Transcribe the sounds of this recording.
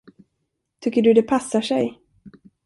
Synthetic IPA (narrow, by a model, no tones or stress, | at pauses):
t̪ʰʏkːəɖɵd̪ɛpʰasːaʂɛj